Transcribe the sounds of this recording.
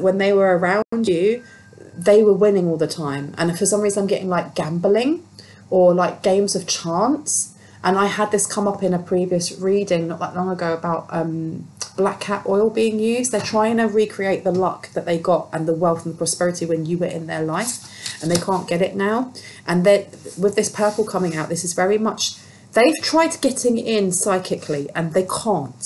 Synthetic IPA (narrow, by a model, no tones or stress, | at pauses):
ʔwə̃nðeɪwə˞əɹãʊ̃nd͡ʒʉ | ðeɪwəwɪ̃nɪ̃ŋɔːlˠðətʰãɪ̃mə̰̃nfəsʌ̃mɹiːzə̃nãɪ̃mɡɛʔɪ̃ŋlaɪk̚ɡ̥ãmbəlɪ̃ŋ | əlaɪk̚ɡ̥ẽɪ̃mzəv̥t͡ʃʰɑ̃ˑnts | ʔə̃naɪəd̪̚ðɪskʰʌ̃mʌpɪ̃nəpʰɹ̥iviəsɹiːdɪ̃ŋnəʔðə̰ʔlɒ̃ŋəɡəʊəbaʊʔʔʌ̃mb̥lakʰapɔɪlˠbiɪ̃ŋjʉːzdðətʰɹ̥aɪɪ̃ŋʰə̃ɹikʰɹ̥ieɪʔ̪̚ðəlʌkðəʔðeɪɡɒtə̃nðəwɛlˠθə̃n̩ðəpʰɹ̥ɒspɛɹɪtʰiwə̃njəwə˞ɪ̰̃nðəlaɪf | ə̃nðeɪkʰɑ̃ˑnɡ̥ɛɾɪʔnaʊʔə̃nðəwɪðɪspʰɜˑ˞pəl̩ˠkʰʌmɪ̃ŋaʊʔ̪ðɪsɪzvɛɹimʌt͡ʃ | ðeɪv̥tʰɹ̥aɪd̚ɡ̥ɛtʰɪ̃ŋɪ̃nsaɪkʰɪkʰliʔə̃nðeɪkʰɑ̃ˑnt